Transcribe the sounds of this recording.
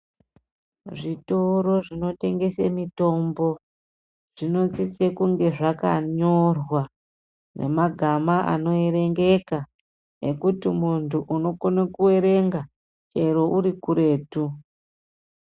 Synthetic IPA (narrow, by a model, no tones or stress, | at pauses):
ʐitoɾo̞ʐino̞te̞ŋɡe̞semito̞mbo̞ | ʐ̥ino̞t͡sit͡sekuŋɡe̞ʐaka̰ɲo̞rwa | ne̞̰maɡʱamaʔa̰no̞eɾe̞ŋɡe̞ka | ekutimuntʰuʔuno̞konekuwe̞ɾe̞ŋɡa | t͡ʃeɾo̞ʔuɾikuɾe̞ːtu